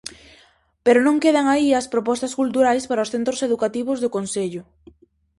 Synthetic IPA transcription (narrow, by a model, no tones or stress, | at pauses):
peɾʊnõŋkeð̞aŋaiɐspɾopɔst̪ɐskult̪uɾajspaɾaosθent̪ɾoseðukat̪iβ̞ʊzðʊkonseʎʊ